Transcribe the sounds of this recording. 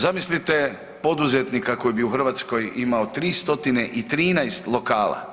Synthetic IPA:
zamislit̪e | po̞d̪uzet̪nikako̞jbiuxr̩ʋat̪sko̞jimaot̪ɾiːst̪o̞t̪ineʔit̪ɾiːnajst̪lˠo̞kaːla̰

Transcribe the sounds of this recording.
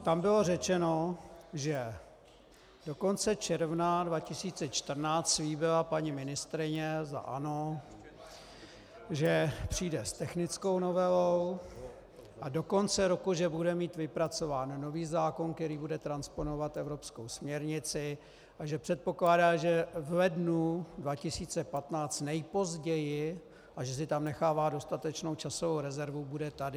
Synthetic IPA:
t̪ambɪlo̞rɛt͡ʃɛno̞ʒɛ | do̞ko̞nt͡sɛt͡ʃɛɾvnadvacɪsiːt͡sɛt͡ʃt̪r̩naːt͡st̪sliːbɪlapaɲɪmɪnɪst̪ɾɪɲɛza̰ʔano̞ | ʒɛpr̝̥iːdɛst̪ɛxnɪt͡sko̞wno̞vɛlow | ʔado̞ko̞nt͡sɛɾo̞kuʒɛbudɛmiːt̪vɪpɾat͡so̞vaːnːo̞viːzaːko̞nkt̪ɛɾiːbudɛt̪ɾanspo̞no̞vat̪ʔɛvɾo̞pskowsmɲɛɾɲɪt͡sɪ | ʔaʒɛpr̥ɛt̪̚po̞klaːdaːʒɛvlɛdnudvacɪsiːt͡sɛpat̪naːt͡st̪nɛjpo̞zɟɛjɪ | ʔaʒɛs̬ɪt̪amnɛxaːvaːdo̞st̪at̪ɛt͡ʃno̞wt͡ʃasovowɾɛzɛɾvubudɛt̪adɪ

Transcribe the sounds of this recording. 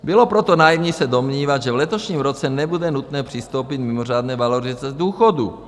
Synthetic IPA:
bɪlo̞pɾot̪o̞najimɲiːsɛdo̞mɲiːvad̪ʒɛvlɛt̪o̞ʃɲiːmɾot͡sɛnɛbudɛnut̪nɛːpr̝̥ɪst̪o̞wpɪt̪mɪmoraːd̪nɛːvalorɪt͡sɛzd̪uːxodṵ

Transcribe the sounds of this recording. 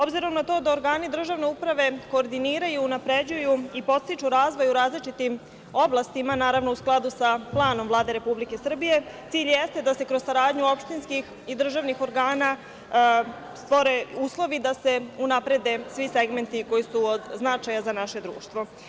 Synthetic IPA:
obziɾo̞mnat̪o̞ːd̪ao̞ɾɡaːnid̪r̩ʒaʋne̞upɾaʋe̞ko̞ːɾd̪iniːɾajuːnapɾe̞d͡ʑujuipo̞t̪st̪it͡ʃuɾaːzʋo̞juɾaːzlit͡ʃit̪im | o̞blˠast̪imanaːɾaʋnousklˠad̪usaplˠaːnomvlˠaːd̪e̞ɾe̞publike̞sr̩bije̞t̪iːʎjest̪e̞d̪ase̞kɾozsaɾaːd̪ɲuopʃt̪inskix | id̪r̩ʒaʋnixo̞ɾɡaːna | st̪ʋo̞ɾe̞uːslˠo̞ʋid̪ase̞unapɾe̞d̪e̞sʋise̞ɡme̞nt̪iko̞jisuod̪znat͡ʃajazanaʃe̞d̪ɾṵːʃt̪ʋo̞

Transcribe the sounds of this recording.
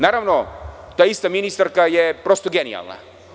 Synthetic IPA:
naːɾaʋnot̪aːist̪aminist̪aɾkajepɾo̞st̪oɡenḭja̰lˠna̰

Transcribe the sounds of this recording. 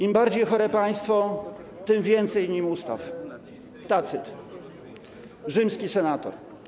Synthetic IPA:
imbaɾd͡ʑejxɔɾɛpaj̃st̪fɔ | t̪ɘmvʲjɛnt̪sɛjɲimust̪a̰f | t̪at̪sɘt̪ | ʐɘmskʲisɛnat̪ɔ̰ɾ

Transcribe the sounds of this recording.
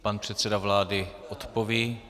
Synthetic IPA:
panpr̝̥ɛt̪sɛdavlaːdɪʔot̪poviː

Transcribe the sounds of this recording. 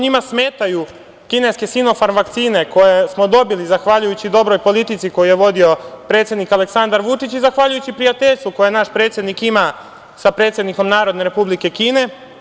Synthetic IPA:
ɲimasme̞ːt̪aju | kine̞ske̞sino̞faɾnʋakt̪siːne̞ko̞jesmo̞d̪o̞bilizaxʋaʎujut͡ɕid̪o̞bɾo̞jpo̞lit̪it̪siko̞jije̞ʋo̞d̪io̞pɾe̞t̪sʲjed̪nikale̞ksand̪aɾʋut͡ʂit͡ɕizaxʋaʎujut͡ɕipɾijat̪e̞ʎst̪uko̞jenaʃpɾet̪sje̞d̪nikima | sapɾe̞ːt̪sʲjed̪niko̞mnaːɾo̞d̪ne̞ɾe̞publike̞kiːne̞

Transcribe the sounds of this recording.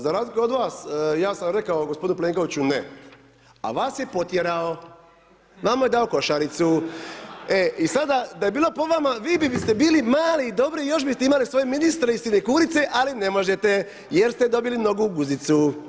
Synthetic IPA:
zaɾaːzlikeo̞d̪ʋaːsjaːsamɾe̞kaoɡospd̪inupleːŋko̞ʋit͡ɕune | a̰ʋaːsje̞po̞t̪jeɾao̞ | ʋamaje̞d̪ao̞ko̞ʃaɾit̪su | eisad̪ad̪aje̞biːlˠo̞po̞ʋamaʋiːbibist̪e̞biːlimaːliːd̪o̞bɾijo̞ʃ̬bist̪e̞imalisʋo̞jeminist̪ɾeisinekuːɾit̪seʔalinemo̞ʒet̪e | jeɾst̪ed̪o̞bilimno̞ɡuɡuzit̪su

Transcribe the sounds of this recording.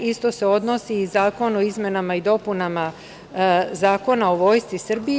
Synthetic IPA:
ist̪o̞se̞o̞d̪nosiːzaːko̞noizme̞namaid̪o̞punama | zaːko̞nao̞ʋo̞ːjst̪sisr̩bi

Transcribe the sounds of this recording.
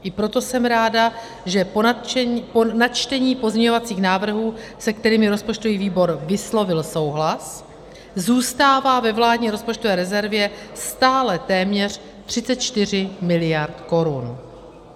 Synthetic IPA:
ʔɪpɾo̞t̪o̞sɛmɾaːda | ʒɛp | ponat͡ʃt̪ɛɲiːpo̞zɲɛɲovat͡siːxnaːvr̩ɦuːsɛk̚t̪ɛɾiːmɪɾo̞spot͡ʃt̪o̞viːviːbo̞ɾvɪslo̞vɪlso̞wɦlas | zuːst̪aːvaːvɛvlaːdɲiːɾo̞spo̞t͡ʃt̪o̞vɛːɾɛzɛɾvjɛst̪aːlɛt̪ɛːmɲɛr̝̥ | t̪r̝̥ɪt͡sɛt̪̚t͡ʃt̪ɪr̝ɪmɪlɪjaɾt̪ko̞ɾun

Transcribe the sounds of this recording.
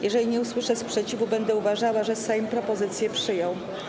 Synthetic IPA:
jɛʐɛlʲiɲɛuswɘʂɛspʂɛt͡ɕivubɛnd̪ɛuvaʐawaʐɛsɛjmpɾɔpɔzɘt̪sʲjɛpʂɘjɔw

